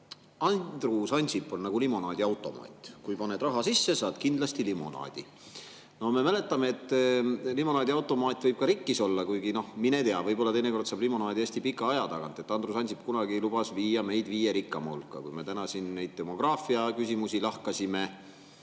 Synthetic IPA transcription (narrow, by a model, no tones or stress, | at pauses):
ɑnd̪̥rusɑnʲsipːˑonnɑɡ̥ulimo̞nɑːd̪iɑwt̪ːˑo̞mɑ̰ːt̪ʲːˑkujpɑnːe̞d̪rɑɦɑsisːesɑːd̪̥kind̪̥lɑst̪ilimo̞̰nɑ̰ːd̪̥ḭ | no̞hme̞mæle̞t̪ːˑɑme̞et̪ːˑlimo̞nɑːd̪ʲiɑwt̪ːˑo̞mɑːt̪ʲːˑvɤjb̥̚kɑɾikːiso̞lːɑkujɡino̞hminet̪eɑvɤjbo̞lːɑt̪e̞jneko̞rd̪̥sɑːblimo̞nɑːd̪iesʲt̪ipikːˑɑɑjɑt̪ɑɡɑnt̪ːˑe̞t̪ːˑɑnd̪rusɑnʲsipkunɑɡielub̥ɑsviːjɑme̞jd̪̥viːje̞ɾikːˑɑmɑṵlkːˑɑkujme̞t̪ænɑsinnejd̪̚t̪e̞mo̞ɡ̥rɑːfiɑkysʲimusilɑhkɑsime̞